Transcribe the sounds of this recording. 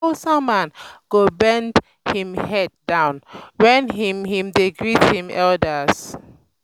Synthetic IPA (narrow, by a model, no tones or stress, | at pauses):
sãmãnɡ̥obɛ̃nd | hĩmhɛd̚ːãw̃nwɛ̃nɦĩmhĩmdeɡɹithĩmɛldəs